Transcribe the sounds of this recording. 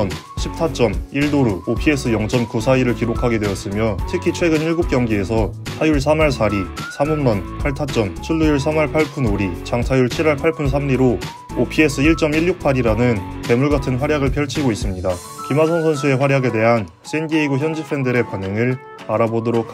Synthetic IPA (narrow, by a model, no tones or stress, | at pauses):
n | ɕʰip̚sʰat͡ɕ͈ʌmiɭdoɾuopʰie̞s͈ʰɯjʌŋt͡ɕ͈ʌmkusʰaiɾɯɭkiɾokʰaɡe̞dwe̞ʌs͈ɯmjʌtʰɯkʰit͡ɕʰwe̞ɡɯniɭɡup̚k͈jʌŋɡiesʰʌsʰajuɭs̬ʰamaɭsʰaɾisʰamumnʌnpʰaɭtʰat͡ɕ͈ʌmt͡ɕʰiɭːujuɭsʰamaɭpʰaɭpʰunoɾit͡ɕaŋsʰajuɭt͡ɕʰiɾaɭpʰaɭpʰunsʰamɾiɾo | opʰie̞s͈ʰɯiɭt͡ɕ͈ʌmiʎːuk̚pʰaɾiɾanɯnte̞muɭɡatʰɯnɸwaɾjaɡɯɭpʰjʌɭt͡ɕʰiɡois͈ɯmɲida | kimasʰʌnsʰʌnsʰue̞ɸwaɾjaɡe̞de̞ɦan | s͈enɡieiɡuçjʌnd͡ʑipʰɯɾe̞ndɯɾe̞panɦɯŋɯɭ | aɾabodʌɾokʰ